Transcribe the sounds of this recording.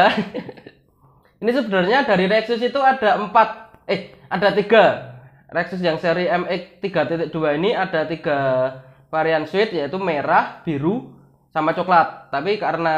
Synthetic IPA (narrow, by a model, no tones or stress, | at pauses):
inis̬əbədarɲadaɾiɾɛksʊs̬it̪uad̥a̤əmpat̪̚ehada̤t̪iɡ̥a̤ | rɛksʊs̬jaŋseɾiɛmɪk̚t̪iɡ̥a̤t̪et̪̚d̥ṳainiad̥a̤t̪iɡ̥a̤ | faɾianswɪt̪̚jait̪umeɾahb̥i̤ɾu | samat͡ʃoklat̪̚ːapikaɾəna